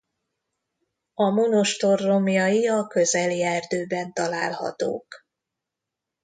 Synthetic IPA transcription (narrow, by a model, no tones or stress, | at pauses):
ɒmonoʃt̪o̞rːo̞mjɒjiɒkø̞zɛljɛrd̪øːbɛnt̪ɒlaːlhɒ̰t̪o̰ːk